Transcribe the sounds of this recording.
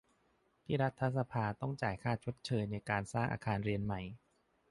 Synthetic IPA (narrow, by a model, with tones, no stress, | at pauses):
t̪ʰiː˥˩ɾa˦˥t̪ʰːa˦˥sa˧pʰaː˧t̪ɔ˥˩ŋt͡ɕaː˨˩jkʰaː˥˩t͡ɕʰo˦˥t̪̚t͡ɕʰɤː˧jna˧jkaː˧nsaː˥˩ŋʔa̰ː˧kʰaː˧nɾi˧ənma˨˩j